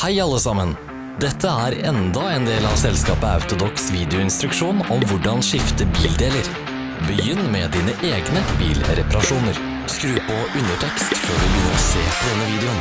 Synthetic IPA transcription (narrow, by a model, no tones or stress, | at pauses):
hæɪɑlːəsɑmən | d̪ɛt̪ʰːəæɾɛnd̪ɑɛːnd̪eːlɑʋsɛlskɑːpəɑ̰ʉt̪ʊd̪ɔksʋiːd̪ɪʊɪnst̪ɾʉkʂuːnɔmʋʊɖɑnʂɪft̪əbiːld̪eːləɾ | bəjʏnːmɛd̪iːnəʔeːɡnəbḭːlɾɛpɑɾɑʂuːnəɾ | skɾʉːpɔʉnəʈʰɛkst̪føːɖʉbəjʏnːəɾɔsḛːpɔd̪ɛnːəʋiːd̪ɛʊn